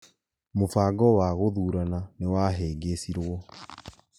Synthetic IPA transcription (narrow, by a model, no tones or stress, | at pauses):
mofaːɡɔwaɣoðuːɾananewaɦeːɡesiɾwɔ